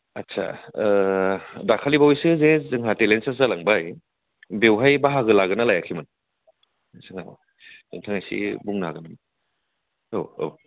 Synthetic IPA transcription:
a̰tsʰa̰ | dakʰalibawijsɯzezɯŋɦatelensaszalaŋbaj | bewɦajbaɦaɡɯlaɡɯnalajakʰimɯn | sɯŋa | zɯ̰ŋtʰaŋajsḭbuŋnaaɡɯnamɯ | oo̰

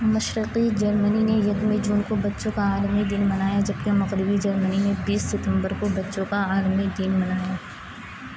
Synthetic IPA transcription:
mɐʃɾɪqid͡ʒɐɾməninejɐk̪med͡ʒuːnkobɐtːʃõkaaːlmid̪inmɐnaːjad͡ʒɐbkemɐɣɾɪbid͡ʒɐɾməninebiːsːɪt̪ə̃mbəɾkobɐtːʃõkaaːlmid̪inmɐnaːjaː

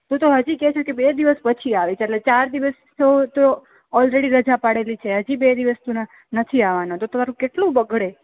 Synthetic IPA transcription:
t̪ũt̪oɦəd͡ʒikɛt͡ʃʰukebed̪iʋəspət͡ʃʰiaʋit͡ʃʰeeʈlet͡ʃaɾd̪iʋəs | tot̪o | ɔlɾeɽiɾəd͡ʒapaɽelit͡ʃʰeɦəd͡ʒibed̪iʋəst̪ũn | nət̪ʰiaʋanot̪ot̪omaɾũkeʈlũbəɡʱɽe

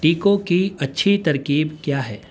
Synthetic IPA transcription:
ʈiːkõkiɐtːʃʰit̪ɐɾkiːbkjaːɦɛː

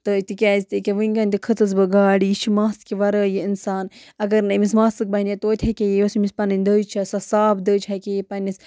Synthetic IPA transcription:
t̪ɨt̪ikʲaːzt̪ikʲeʋɨŋɡɐnʲt̪ikʰɨt͡s̪ɨzbɨɡaːɽit͡ʃʰimaːskʲiʋɐɾəːjiinsaːnɐɡɐɾnɐmismaːsɨk̚bɐɦinijet̪oːt̪ʲʰɐkʲejeʋɐsmispɐnɨnʲd̪əːt͡ʃʰɐsɐsaːbd̪əːt͡ʃʰɐkʲejepɐnʲːis

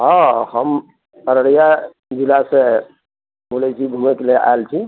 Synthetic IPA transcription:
ɦɔ̃həm | əɾəɽija | d͡ʒilase | bulɛt͡ʃʰiɡʱumɛkelea̰elt͡ʃʰi

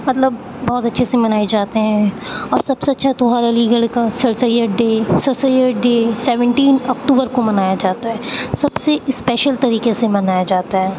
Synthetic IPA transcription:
mɐt̪ləbː | ɔːt̪ɐtːʃʰesemɐnaːed͡ʒaːt̪eɦɛ̃ | ɔːɾsɐb̥seɐtːʃʰat̪ʊɦaːɾeliːɡəlkasɐɾsəjəɾɖeːsɐɾsəjəɾɖeːsɛʋə̃ɳʈiːnɔːkʈuːbəɾkomɐnaːjad͡ʒaːt̪aɦɛːsɐbsespɛːʃəlt̪ɐɾiːqesemɐnaːjad͡ʒaːt̪aɦɛː

